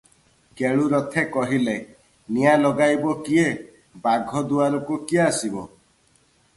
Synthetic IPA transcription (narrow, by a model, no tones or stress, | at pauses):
keɭuɾɔt̪ʰekɔɦile | nijalɔɡajbɔkie | baɡʱɔd̪uaɾɔkukiaasibɔ̰